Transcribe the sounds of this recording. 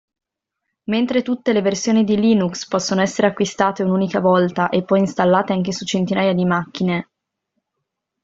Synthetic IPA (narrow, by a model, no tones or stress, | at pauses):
ment̪ɾet̪ut̪ːeleversjoːnid̪iliːnukspɔsːonoɛsːeɾeakːwist̪aːt̪eunuːnikavɔlt̪aʔepːɔjinst̪alːaːt̪eaŋkesut͡ʃent̪inaːjad̪imakːine